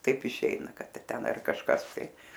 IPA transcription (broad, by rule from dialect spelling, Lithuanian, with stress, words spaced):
ˈtɐɪp ɪˈʃʲɛɪnɐ ˈkɐt ˈtʲɛn ɐr kɐʃˈkɐs tɐɪ